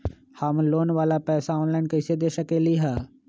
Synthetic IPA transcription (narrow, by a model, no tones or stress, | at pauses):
həmloːnʋaːlapɛːsaɔːnlaːɪnkəɪsed̪eːʃəkeːliɦɛː